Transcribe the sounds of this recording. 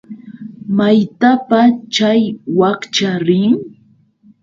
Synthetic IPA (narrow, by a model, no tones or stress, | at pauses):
majt̪apat͡ʃajwakt͡ʃaɾɪŋ